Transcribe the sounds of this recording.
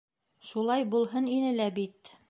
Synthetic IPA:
ʃulˠɑjbulˠɦɤninɘ̆læbit̪

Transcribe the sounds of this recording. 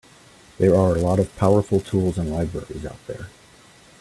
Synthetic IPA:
ðə˞ə˞əlɔɾʌv̥pʰaʊə˞fl̩ˠtʰulˠzə̃nlaɪbɹɛ̰ɹḭza̰ʊt̪̚ðə̰˞

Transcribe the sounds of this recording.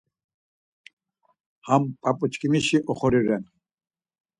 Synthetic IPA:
hampʼapʼut͡ʃkʼimiʃiʔɔχɔɾiɾɛn

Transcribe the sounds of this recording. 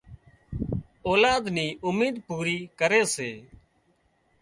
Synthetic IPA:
oːlaːd̪niːʔʊmiːd̪puːɾiːkəɾeːseː

